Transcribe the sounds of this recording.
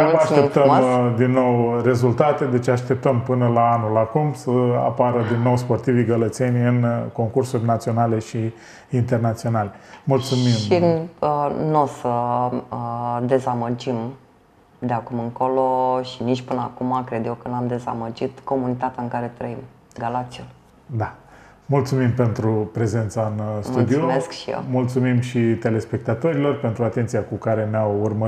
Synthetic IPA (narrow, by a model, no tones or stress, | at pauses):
aʃt̪ep̚t̪əmd̪inːo̞wre̞zult̪at̪e̞d̪e̞t͡ʃeaʃt̪e̞p̚t̪əmpɨnəlaanulakumsəa̰paɾəd̪inːowspo̞rt̪iviɡələt̪se̞nʲɨnko̞ŋkursurʲnat̪sio̞nale̞ʃi | int̪e̞rnat̪sio̞nalemult̪sumimʃi | nosə | d̪e̞zaməd͡ʒim | d̪eakumɨŋko̞lo̞ʃinit͡ʃʲpɨnəakumakɾe̞d̪je̞wkənamd̪e̞za̰məd͡ʒit̪ko̞munit̪at̪eaɨŋkaɾe̞t̪ɾəim | ɡalakt̪siun | d̪a | mult̪sumimpe̞nt̪ɾupɾe̞ze̞nt̪saɨnsmt̪uld̪ioumeskʃijḛwmult̪sumimʃit̪e̞le̞spe̞k̚t̪at̪o̞ɾilo̞rpe̞nt̪ɾuat̪e̞nt̪sijakukaɾe̞neawurmə